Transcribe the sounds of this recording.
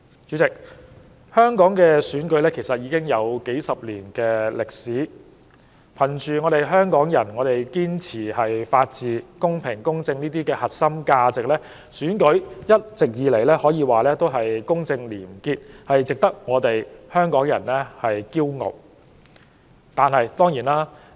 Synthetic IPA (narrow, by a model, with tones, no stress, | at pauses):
t͡ʃyː˨˥t͡sɪ˨k̚ | hœː˥ŋkɔː˨˥ŋkɛː˧syː˨˥nkɵ˨˥jlɛː˥kʰe˨˩jsɐ˨t̚jiː˨˧˥kɪ˥ŋjɐ˨˧wke˨˥jsɐ˨p̚liː˨˩nkɛː˧lɪ˨k̚siː˨˥ | pʰɐ˨˩nt͡ʃyː˨˩ŋɔː˨˧ɾe˨jɦœː˥ŋkɔː˨˥ŋjɐ˨˩nŋɔː˨˧ɾe˨jkiː˥nt͡sʰiː˨˩hɐ˨jfaː˧t̚t͡siː˨kʊ˥ŋpʰɪ˨˩ŋkʊ˥ŋt͡sɪ˧ŋniː˥t̪iː˥kɛː˧hɐ˨t̚sɐ˥mkaː˧t͡sɪ˨k̚lɛː˥ | syː˨˥nkɵ˨˥ɥjɐ˥t̚t͡sɪ˨k̚jiː˨˧le˨˩jlɛː˥hɔː˨˥jiː˧waː˨˩lɛː˥t̪o˥wɦɐ˨jkʊ˥ŋt͡sɪ˧ŋliː˨˩mkiː˧t̚hɐ˨jt͡sɪ˨k̚t̪ɐ˥k̚ŋɔː˨˧t̪e˨jhœː˥ŋkɔː˨˥ŋjɐ̰˨˩nlɛː˥hɐ˨jkiː˥wŋo̰˨w̚ | t̪aː˨nhɐ˨jt̪ɔː˥ŋjiː˨˩naː˥